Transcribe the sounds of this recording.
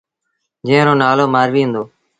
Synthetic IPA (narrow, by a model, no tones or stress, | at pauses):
d͡ʒẽːɾoːnaːloːmaːɾʋĩːɦʊ̃nd̪oː